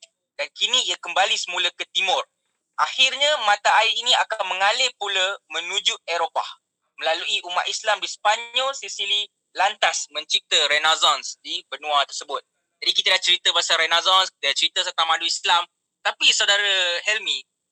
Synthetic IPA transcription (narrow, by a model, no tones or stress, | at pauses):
d̥ankinĩiakəmbalisəmuləkət̪imʊr | ʔaxirɲamãt̪aaɪiniakanməŋalɪpuləmə̃nud͡ʒuʔɛɾopa̰h | məlaluʔiʔuma̰ʔ̪islamdispaɲɔlsisili | lant̪asmə̃ɲt͡ʃəɾit̪əɾɛnazɔnsdibənũat̪ərsəbʊt̪̚ | d͡ʒadikit̪aədaht͡ʃəɾit̪əbasaɾɛnazɔnskit̪ədat͡ʃəɾit̪əsərt̪aŋmãduislam | t̪apisawdaɾahɛlmi